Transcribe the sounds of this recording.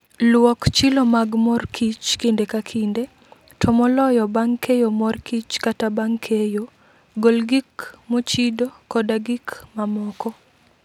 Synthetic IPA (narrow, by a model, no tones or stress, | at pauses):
lwɔkt͡ʃilomaɡmɔrkʰit͡ʃkindekakʰinde | tʰɔmɔlɔjɔbaŋkʰejomɔrkit͡ʃkatabaŋkʰejo | ɡolɡikmɔt͡ʃidokɔdaɡikmamɔkɔ